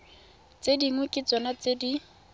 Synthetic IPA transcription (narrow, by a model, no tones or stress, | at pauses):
t͡sediŋwʊkʼɪt͡sɔnat͡sedi